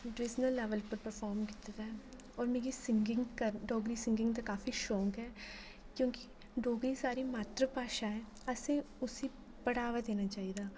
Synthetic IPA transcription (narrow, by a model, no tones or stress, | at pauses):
ɖɪsnəlːɛʋəlpəɾpəɾfʰɔːɾmkɪ̥t̪et̪ɦɛ | ɔːɾmeːɡisɪ̃ŋɡɪ̃ŋɡkəɾɖoːɡɾisɪ̃ŋɡɪ̃ŋɡt̪akaːfiʃɔ̃ːŋkɦɛː | kjõːki | ɖoːɡɾisaːɾimaːt̪ɾəpaːʃaɦɛː | se | ʊsi | pɐɽaːʋad̪eːnat͡ʃaːid̪aː